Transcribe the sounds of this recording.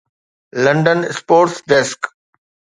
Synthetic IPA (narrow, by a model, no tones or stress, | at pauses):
lɐ̃ɳɖənspoːɾsd̪ɛsk